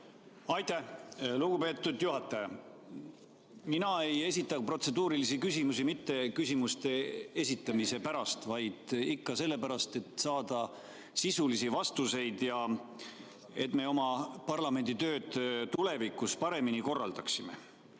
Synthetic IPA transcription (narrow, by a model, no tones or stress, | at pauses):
ɑjt̪æhluɡ̥upe̞ːt̪ːud̪̥juɦɑt̪ˑːɑjɑ | minɑe̞je̞sʲit̪ˑːɑpro̞t̪se̞d̪uːɾilisikysʲimusimit̪ːe̞kysʲimust̪e̞e̞sit̪ːˑɑmise̞pæɾɑst̪vɑjd̪̥ikːɑse̞lːe̞pæɾɑst̪e̞t̪sɑːd̪̥ɑ | sisulisivɑst̪use̞jd̪̥jɑ | e̞t̪ːˑme̞o̞mɑpɑrlɑme̞nʲd̪̥it̪ø̞ːd̪̥t̪ule̞vikːˑuspɑɾe̞miniko̞rːɑ̰ld̪ɑksime̞̰